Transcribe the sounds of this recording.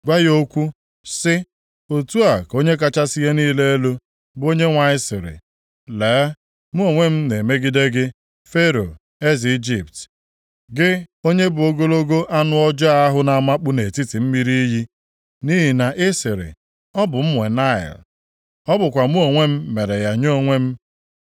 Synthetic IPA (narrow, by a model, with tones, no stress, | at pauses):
ɡa˦jo˦kʷu˦ | sɪ˦ | o˨tu˦a˨ko˦ɲe˦k̬a˦t͡ʃa˦si˦ɦe˦niː˦le˦e˦lo˦ | bo˦ɲe˦ŋʷa˨ɪ˦sɪ˨ɾɪ̰˨ | leː˨˦ | mu˦o˨ŋʷe˦m̩˦ne˨me˦ɡi˦de˦ɡɪ˦ | fe˦ɾo˨ | e˦zi˨i˦d͡ʒi˨pt | ɡɪ˦o˦ɲe˦bʊ˨o˦ɡo˦lo˦ɡo˦ʔa˦nʊ˦ɔ˦d͡ʒa˦a˦ɦʊ˦na˨ma˦k͡pʊ˦ne˨ti˦ti˨m̩˦mi˦ɾi˦i˦ɦi˦ | ni˦ɦi˨na˨ʔɪ˦sɪ˨ɾɪ̰˨ | ɔ˦bʊ˨m̩˦mʷ˨e˨na˦˨ɪ̰˨l | ɔ˦bʊ˨kʷa˨mu˦o˨ŋʷe˦m̩˦me˨ɾe˨ja˨ɲo˦˨ŋʷe˦m̩˦